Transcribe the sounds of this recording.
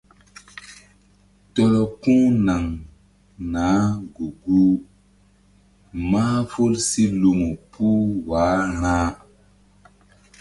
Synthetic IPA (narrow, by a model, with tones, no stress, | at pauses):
tɔ˨lɔ˨kũ˦na˨ŋ | nãː˨˦ɡu˨ɡu˦ | ma˦fo˦lsi˦lu˨mu˨puː˦waː˨˦ɾ̃ãː˦